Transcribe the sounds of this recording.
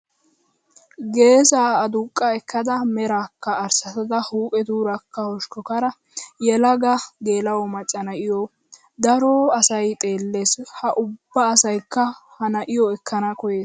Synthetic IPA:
ɡe̞ːsaːd̪ʊkʼːɐɛkːɐd̪ɐmɛɾaːkːɐːɾsɐt̪ɐd̪ɐhuːkʼɛd̪uːɾɐkːɐhɔʃkɔkɐɾɐ | jɛlɐɡɐɡe̞ːlɐwɔmɐt͡sʼːɐnɐʔɪjɔ | d̪ɐɾɔːɐsɐjt̪ʼe̞ːlːe̞ːshɐʔʊbːɐːsɐjkːɐhɐnɐʔɪjɔɛkːɐnɐkɔjeːs

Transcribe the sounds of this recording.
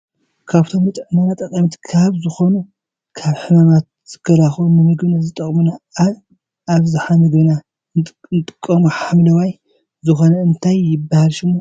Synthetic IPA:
kʰaβt̪ʰo̞mɨt̪ʼɨʕmanat̪ʼɐkʼɐmt̪kʰaβzɨxo̞nu | kʰaβħɨmamat̪̚z̥ɨkʰɐlaxunnɨmɨɡβnazɨt̪ʼɐχʼmunaa | aβzɨħamɨɡβna | nɨt̪ʼɨ̥kʼːɐmuħamlɐwaj | zɨxo̞nɐɨnt̪ʰajːɪbːahalʃɪmːo

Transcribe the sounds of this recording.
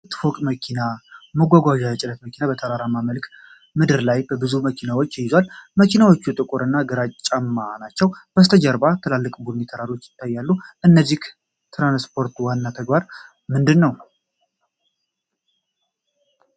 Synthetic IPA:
t̪ʰɨfokʼməkʰinaməɡʷaɡʷaʒaət͡ʃʼɪlət̪məkʰinabət̪ʰəɾaɾamaməlkʰ | mɨd̪ɨɾlajbəbɨzuməkʰinawot͡ʃːɪjɪzwalməkʰinawo̞t͡ʃːut̪ʼɨkʼʊɾɨnːaɡɨɾat͡ʃʼt͡ʃʼamːanat͡ʃːɛwb̥əst̪ʰəd͡ʒəɾbat̪ʰɨlalːɨkʼbunit̪ʰəɾaɾwo̞t͡ʃːjɪ̥t̪ʰːajːalːuʔɨnːəzːih | t̪ʰɾanspʰo̞ɾt̪wanːat̪ʰəɡbaɾ | mɨnd̪ɨnːəw

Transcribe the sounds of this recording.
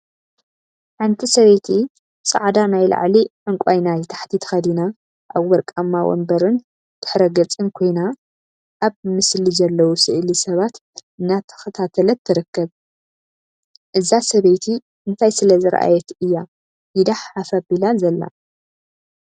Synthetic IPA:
ʕɨnt̪ʰisɐβejt̪ʰi | sʼɐ̰ʕd̪anajla̰ʕliʕɨŋkʷʼajnajt̪ʰḁħt̪ʰit̪ʰɐ̥xɐd̪ina | ʔaβwɔɾkʼɐmːawɔ̰mbɐɾɨn | t̪ʰɨ̥ħɾɐɡɐt͡sʼɨnkʰo̞jna | ʔaβmɨslizɐlːɐwusɨʔlisɐβat̪ | ɨnːat̪ʰɐ̥xɐt̪ʰat̪ʰɐlɐt̪ʰːɨɾɨkːɐβ | ʔɨzasɐβɐjt̪ʰi | ʔɨnt̪ʰajsɨlɐzɨɾʔa̰jɛt̪ɨjːa | jid̪aħafɐbilazɐlːa̰

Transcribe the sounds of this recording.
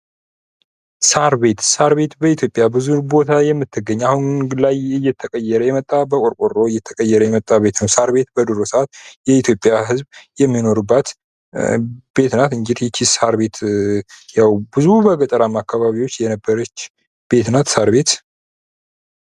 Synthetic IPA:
saɾbe̞t̪saɾbe̞t̪bəit̪ʰjo̞pʼjabɨzubo̞t̪ʰajɛmːɨt̪ʰːɨɡːəɲːahunlajɨjːɛt̪ʰːəkʼəjːɛɾəjɛmət̪ʼːabəkʷʼoɾkʷʼoɾːo̞ɨjːɛt̪ʰːəkʼəjːɛɾəjɛmət̪ʼːaβe̞t̪nəwsaɾbe̞t̪bəd̪ɨɾosəat̪jɛit̪ʰjopʼjaɦɨzbjɛmːino̞ɾɨbːat̪ | b̥e̞t̪nat̪ɨɲd͡ʒid̪jɛt͡ʃʰːisaɾbe̞t̪ | jawbɨzubəɡət͡ʃ̪ʼəɾamːakʰːaβaβiwo̞t͡ʃːjɛnəbːəɾət͡ʃː | b̥e̞t̪nat̪saɾbe̞t̪

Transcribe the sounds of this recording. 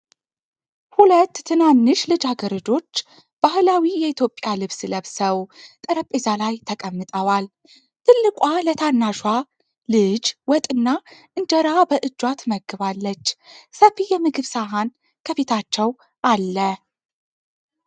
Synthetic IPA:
hulət̪ːʰɨnanːɨʃlɨd͡ʒaɡəɾəd͡ʒo̞t͡ʃː | b̥ahlawijɛit̪ʰjo̞pʼːjalɨβsləβsəwt̪ʼəɾəpʼezalajt̪ʰəkʼəmːɨt̪ʼəwal | t̪ʰɨlːɨkʼwalət̪ʰanːaʃwa | lɨd͡ʒwɔt̪ʼɨnːaʔɨnd͡ʒəɾabəʔɨd͡ʒːwat̪məɡːɨβalːət͡ʃːsəfijɛmɨɡɨβsaɦan | kʰəβe̞t̪ʰat͡ʃːɛw | ʔalːə

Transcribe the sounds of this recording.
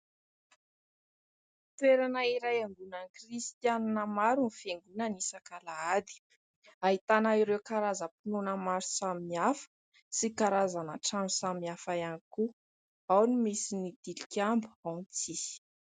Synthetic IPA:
t̪weɾanəiɾajaŋɡunanikrist̪jananəmaɾunifeŋɡunənisakalaad̪i̥ | aɦit̪anaiɾewkaɾazəpinunəmaɾu̥saminiafə̥ | sikaɾazanəʈ͡ʂamusamiafajaniku | awnimisinid̪̥ilikʲambuawnt͡si̥

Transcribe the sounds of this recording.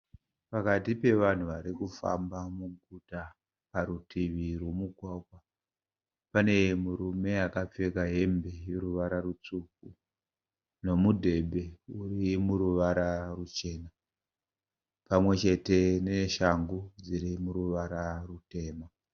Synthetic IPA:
pakatipe̞ʋan̤uʋaɾikufa̰mbamuɡuta | paɾutʰiʋirwo̞muɡʱwakwa | pane̞muɾume̞akap͡fekaɦe̞mbe̞jeɾuʋaɾarut͡suk̚u | no̞mudʱe̞bʱe̞urimuɾuʋaɾarut͡ʃe̞na | pamwe̞t͡ʃe̞te̞ne̞ʃaŋɡud͡ziɾimuɾuʋaɾarute̞ːma

